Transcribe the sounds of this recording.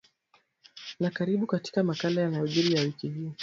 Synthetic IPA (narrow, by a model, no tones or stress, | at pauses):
nakaɾiɓukati̥kamakalajanajɔʄiɾijawikihiɔ